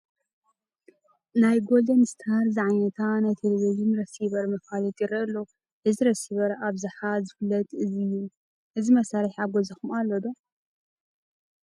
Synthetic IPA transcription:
najɡold̪ɐnst̪ʰaɾzɨʕajnɐt̪ʰanajt̪ʰeleβiʒinɾɐsiβɐɾmɐfalit̪ʼiɾɐɨlːo | ʔɨziɾɐsiβɐɾaβzɨħazɨfɨlːɐt̪ɨzijːu | ʔɨzimɐsaɾiħaβɡozɐxumalːod̪o

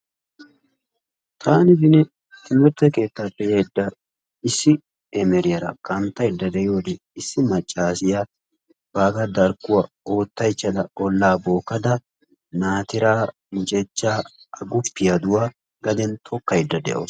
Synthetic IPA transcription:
t̪ʰaːnɪd̪ɪnɛ | ɪmɛɾt̪ɛke̞ːt̪ːapːɛjɐjd̪ːɐ | ɪsːɪ | ɛmɛɾɪjɐɾɐ̰kɐnt̪ːɐjd̪ːɐd̪ɛjo̞ːd̪ɛ | ɪsːɪmɐt͡ʃʼːaːsɪja | b̥aːɡɐd̪ɐɾkːʊwɐ | o̞ːt̪ːɐjt͡ʃːɐd̪ɐɔlːaːbo̞ːkːɐd̪ɐ | naːt̪ɪɾaː | t͡ʃʼɛt͡ʃːaː | ɐɡʊpːɪjɐd̪ʊwa | ɡɐd̪ɛnt̪ʰɔkːɐjd̪ːɐd̪ɛ̰ʔo̰

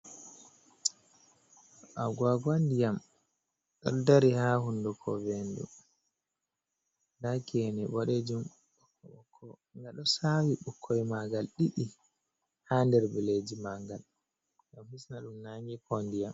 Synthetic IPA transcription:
ʔaɡwaɡwandijam | ɗɔ̰ldaɾihahundukʰɔvɛndṵ | ndakɛnɛɓɔɗed͡ʒum | ɓɔkːɔɓɔkʰːɔ | ŋɡaɗɔsawiɓɔkʰːɔjmaɡalɗiɗi | handɛɾbiled͡ʒimaŋɡal | ɡamhisnaɗumnaŋɡɛkʰɔndijam

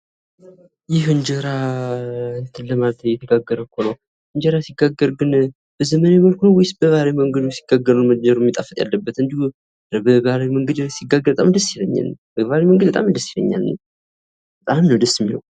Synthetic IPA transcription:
jɪhɨnd͡ʒəɾa | ɨnt̪ʰɨnlːəmalət̪ʰəjɛt̪ʰəɡaɡːəɾəkʰːonəw | ɨnd͡ʒəɾasiɡaɡːəɾɡɨn | bəzəməneməlkʰunowɪsb̥əβaɾawiməŋɡəd̪ojsi̥ɡaɡəɾuməd͡ʒəɾɛmːit̪ʼafət̪ʼja̰lːəbːət̪ɨnd̪ihu | bəβaɾawiməŋɡəd̪siɡːaɡəɾbət̪ʼamd̪əsːɪləɲːa̰lnbəβaɾəjməŋɡəd̪bət̪ʼamd̪əsːjɪlə̰ɲːa̰lnə | bət̪ʼamnəwd̪əsmːilə̰w

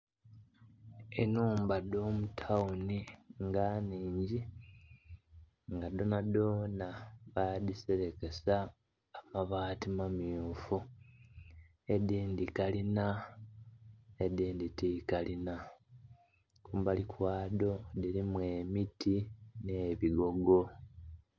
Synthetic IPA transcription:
enuːmbado̞ːmutʰawuniŋɡaniːɲɟi | ŋɡado̞nado̞naβadiseɾe̞ke̞saː | maβaːtimamiufu | ediːndikalina | ediːnditikalina | kuːmbalikwaːdo̞diɾimwe̞ːmitʰine̞ːβiɡo̞ɡo̞

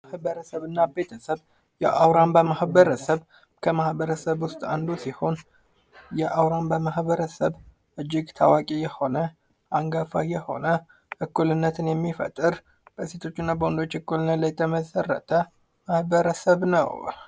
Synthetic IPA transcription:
ahbəɾəsəβɨnːabe̞t̪ʰəsəβ | jɛʔawɾambəmahbəɾəsəβ | kʰəmahbəɾəsəβwʊst̪ʼa̰nd̪usiho̞n | jɛʔawɾambəmahβəɾəsəβ | ʔɨd͡ʒːɪɡt̪ʰawakʼijɛho̞nə | ʔaŋɡafajɛho̞̰nə | ʔɨkːulɨnːət̪ʰɨnjɛmːifə̰t̪ʼɨɾ | b̥əse̞t̪ʰo̞t͡ʃːɪnːabəwond̪ot͡ʃːɨkːulɨnːət̪ləjɛt̪ʰəməsərːə̰t̪ʰə | mahbəɾəsəβnə̰w

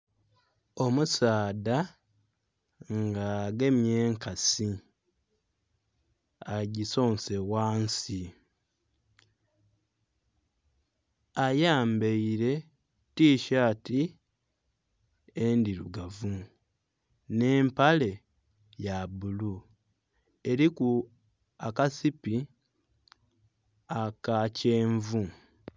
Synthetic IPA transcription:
o̞musaːda | ŋɡaɡe̞mje̞ːŋkasi | aɟiso̞ːnsewaːnsi | ajaːmbeiɾe̞ | tiːʃati | endiluɡavu | ne̞ːmpale̞ | jabulu | e̞ɾiku | akasipi | akaceːɱvu

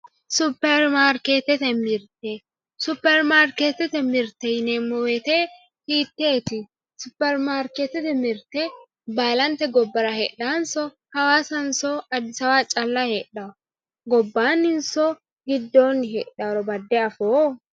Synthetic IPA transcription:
sʊpːɛɾmaːɾkeːt̪ːɛt̪ɛmɪɾt̪ɛ | sʊpːɛɾmaːɾkeːt̪ːɛt̪ɛmɪɾt̪ɛneːmːɔwɛt̪eː | hiːt̪ːeːt̪ɪ | sʊpːɛɾmaːɾkeːt̪ːɛt̪ɛmɪɾt̪ɛ | baːlɐnt̪ɛɡɔbːɐɾɐheːɗaːnsɔ | hɐwaːsɐnsɔɐd̪ːɪsɐwaːt͡ʃʼɐlːaheːᶑaɔ | ɡɔbːaːnɪnsɔ | ɡɪd̪ːoːnːɪɦeːᶑaːɾɔbɐd̪ːɛɐfoː

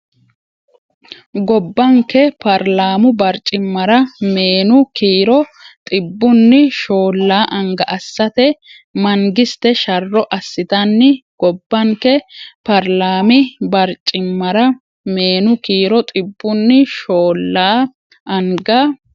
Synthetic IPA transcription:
ɡɔbːɐŋkːɛpɐɾlaːmʊbɐɾt͡ʃʼːɪmːɐɾɐme̞ːnʊkiːɾɔt̪ʼɪbːʊnːɪʃo̞ːlːaːʔɐŋɡɐʔɐsːɐt̪ɛ | mɐŋɡɪst̪ɛʃɐrːɔʔɐsːɪt̪ɐnːɪɡ̥ɔbːɐŋkɛpɐɾlaːmɪbɐɾt͡ʃʼːɪmːɐɾɐ | me̞ːnʊkiːɾɔt̪ʼɪbːʊnːɪʃo̞ːlːaː | ʔɐŋɡɐ

